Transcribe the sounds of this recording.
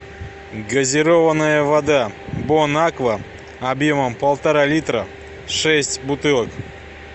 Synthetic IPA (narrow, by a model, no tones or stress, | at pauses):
ɡɐzʲɪɾovənːəjəvɐd̪abonakvə | ɐbjoməmpəlˠt̪aɾalʲit̪ɾə | ʂɛsʲtʲbʊt̪ɨlˠək